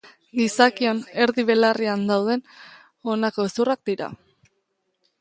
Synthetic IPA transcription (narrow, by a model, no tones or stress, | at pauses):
ɡisakio̞ne̞ɾðiβ̞e̞lariand̪awð̞e̞n | o̞nako̞esurak̚d̪iɾa̰